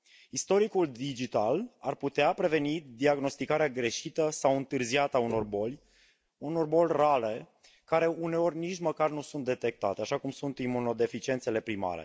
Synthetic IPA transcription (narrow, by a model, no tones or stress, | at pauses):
ist̪o̞ɾikuld̪id͡ʒit̪alarput̪eapɾe̞ve̞nid̪iaɡno̞st̪ikaɾeaɡɾe̞ʃit̪əsawɨnt̪ɨrziat̪auno̞rbo̞lʲ | uno̞rbo̞lʲrale̞ | kaɾe̞une̞o̞rʲnit͡ʃməkarnusunt̪̚d̪e̞t̪e̞k̚t̪a̰t̪eaʃakumsunt̪imuno̞d̪e̞fit͡ʃie̞nt̪se̞le̞pɾima̰ɾḛ